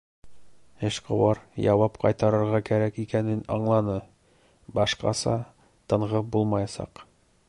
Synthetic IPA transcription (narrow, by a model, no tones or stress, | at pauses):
ɘɕqɤ̰̆wɑɾjɑwɑpqɒ̰jt̪ɑɾɤ̆ɾʁɑkæɾækikænɘnɒ̰ɴlˠɑnɤ | bɒʃqɑ̰sɑ̰ | t̪ɤ̆ɴʁɤbulˠmɑjɑsɑ̰q